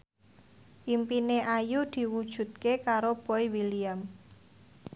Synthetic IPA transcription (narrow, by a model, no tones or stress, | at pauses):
ʔimpineʔajud̪̥i̤wud̥ʒ̥ṳt̪̚kekaɾob̥ɔiwiliam